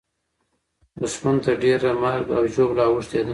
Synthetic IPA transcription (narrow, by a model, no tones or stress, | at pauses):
ʊsmant̪aɖeɾamaɾɡa̰wʒoblawəʂt̪ed̪